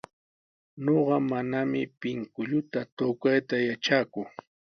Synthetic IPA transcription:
noɢɑmanamɪpɪŋkʊʎʊt̪at̪okajt̪ajat͡ʃaːkʊ

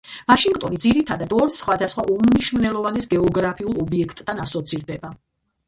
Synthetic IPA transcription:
maʃiŋɡt̪ʼɔnid̪ziɾit̪ʰad̪ad̪ɔɾsχwad̪asχwaʔumniʃmnɛlˠɔvanɛsɡɛɔɡɾapʰiulˠɔbiɛkʰt̪ʼːanasɔt̪sʰiɾd̪ɛba

